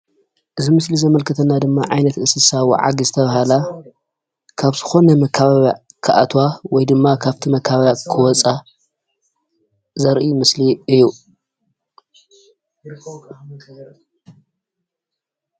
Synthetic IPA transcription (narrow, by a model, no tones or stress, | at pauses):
ʔɨzimɨslizɐmɐlkʰɐt̪ʰɐnːad̪ɨmːaʕajnɐt̪ɨsɨsaβuʕa̰ɡizɨt̪ʰɐβahala | kʰaβzɨxo̞nɐmɐkʰːaβaβa | kʰaʔa̰t̪ʰwawɔjd̪ɨmːakʰaβt̪ʰimɐkʰːaβaβakʰɨwɔt͡sʼa | zɐɾʔimɨsliɨjːu